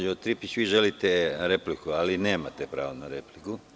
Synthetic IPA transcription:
ot̪ɾipit͡ɕʋiːʒe̞lit̪eɾe̞plikualineːmat̪epɾa̰ːʋonaɾe̞pliku

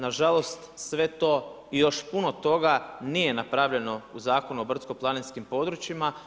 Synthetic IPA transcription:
naʒalˠo̞st̪sʋe̞t̪o̞ː | ijo̞ʃpuno̞t̪o̞ɡanije̞napɾaʋʎe̞no̞uzaːkonuo̞br̩t̪sko̞plˠanenskimpo̞d̪ɾut͡ʃima

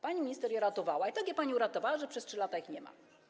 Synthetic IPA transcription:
paɲimʲɲist̪ɛɾjɛɾat̪ɔvawait̪aɡʲjɛpaɲiuɾat̪ɔvawaʐɛpʂɛstʂɘlat̪aixɲɛma̰

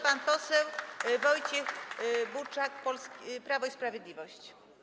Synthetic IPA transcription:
panpɔsɛwvɔjt͡ɕɛxbut͡ʂak̚pɔlskʲpɾavɔispɾavʲjed̪lʲivɔɕt͡ɕ

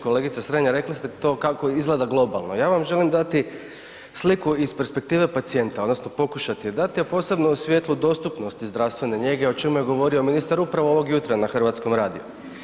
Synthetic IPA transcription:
ko̞le̞ːɡit̪sasɾeɲaɾe̞klist̪et̪o̞ːkakoizɡlˠe̞d̪aɡlˠo̞ba̰lˠno̞jaːʋamʒe̞limd̪at̪i | slikuispe̞ɾspe̞k̚t̪iːʋe̞pat̪sie̞nt̪aod̪no̞sno̞po̞kuʃat̪ijed̪at̪ijepo̞ːse̞bnousʋje̞t̪lud̪o̞st̪upno̞st̪izd̪ɾaʋst̪ʋe̞ne̞ɲe̞ɡe̞ot͡ʃe̞muje̞ɡo̞ʋo̞ɾio̞minist̪aɾupɾaʋooʋoɡjut̪ɾanaxr̩ʋat̪sko̞mɾaːd̪ḭju

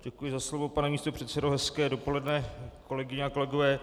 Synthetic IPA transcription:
ɟɛkujɪzaslovo̞panɛmiːst̪o̞pr̥ɛt̪sɛdowɦɛskɛːdo̞po̞lɛdnɛko̞lɛɡɪɲɛako̞lɛɡovɛː

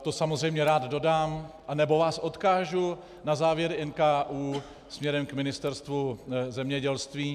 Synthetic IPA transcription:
t̪o̞samozrɛjmɲɛɾaːd̪do̞daːmʔanɛbo̞vaːsʔo̞t̪kaːʒu | nazaːvjɛɾɪɛnkaːʔuː | smɲɛɾɛmkmɪnɪst̪ɛɾst̪vuzɛmɲɛɟɛlst̪viː

